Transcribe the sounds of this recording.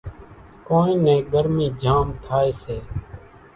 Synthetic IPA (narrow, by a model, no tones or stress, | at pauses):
koːnĩːnɛ̃ːɡəɾmiːd͡ʒʱaːmt̪ʰaːeːseː